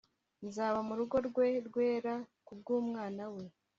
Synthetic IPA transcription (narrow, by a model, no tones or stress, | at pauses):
nzaːβamuɾuɡo̞ɾɡwe̞ɾɡwe̞ːɾakub̚ɡuːmŋaːnawe̞